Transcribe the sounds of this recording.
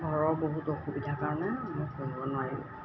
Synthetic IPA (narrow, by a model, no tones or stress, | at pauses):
ɡʱɔɹɔɹboɦutoxubidʱakaɹɔnɛmɔjkunbɔnajḭ